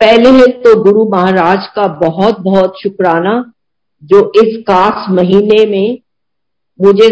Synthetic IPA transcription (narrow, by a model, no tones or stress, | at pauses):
pɛɦleɦẽt̪oɡʊɾumɐɦaːɾaːd͡ʒkabɐɦɔt̪̚bɐɦɔt̪ʃʊkɾaːna | d͡ʒoːʔɪsxaːsmɐɦiːnemẽ | mʊd͡ʒʱe